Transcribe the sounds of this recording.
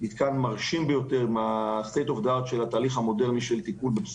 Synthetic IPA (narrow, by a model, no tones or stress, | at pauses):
nit̪kanmaʁʃimbejo̞t̪eʁimast̪ejt̪ovd̪at̪ʃelhat̪aːliχhamo̞de̞ʁniʃelt̪ikulbebs